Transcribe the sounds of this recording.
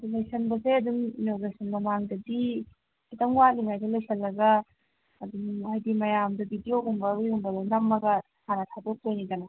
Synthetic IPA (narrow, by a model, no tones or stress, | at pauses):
dulejsʰɐnbɐseɐduŋnoɡejsɐnmɐmaŋdɐdi | sitɐŋwatliŋajdɐlojsʰɐlːɐɡɐː | dumajdimɐjamdɐbʱidijoɡumbɐɾujumbɐdonɐmːɐɡɐ | sʰanɐtʰadok̚tojnidɐnɐ